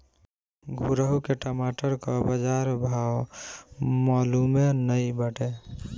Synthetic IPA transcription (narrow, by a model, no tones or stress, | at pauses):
ɡʱuɾəɦukeʈəmaʈəɾkəbəd͡ʒaɾbʱaw | malumenəjbəʈe